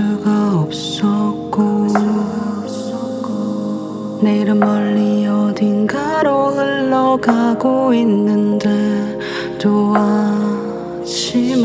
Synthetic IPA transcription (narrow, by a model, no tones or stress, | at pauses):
ɭɡaʌp̚s͈ʌk͈o | k | neɾɯmʌɭːiʌdinɡaɾonɯɭːʌɡaɡoinːɯnde̞ | t͡ɕowa | ɕʰim